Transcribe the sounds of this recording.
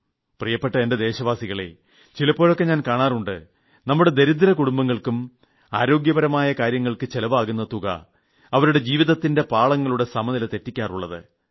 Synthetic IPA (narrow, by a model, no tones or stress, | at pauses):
prijɐpːeʈːɐende̞d̪e̞ːɕɐʋaːsiɣɐɭḛ | t͡ɕilɐpːo̞ːɭo̞kːe̞ɲaːnkaːɳaːruɳɖɨ̰ | nɐmːuɽe̞d̪e̞ɾid̪ɐɾɐkuɽumbɐŋːɐɭkum | a̰ːɾo̞ːɡjɐbɐɾɐmaːjɐkaːɾjɐŋːɐɭkɨt͡ɕe̞lɐʋaːɣunːɐt̪ːuɣɐ̰ | ɐʋɐɾuɽe̞d͡ʑiːʋiðɐt̪ːinde̞paːɭɐŋːɐɭuɽe̞sɐmɐðilt̪e̞tːikʲːaːruɭːɐðɨ̰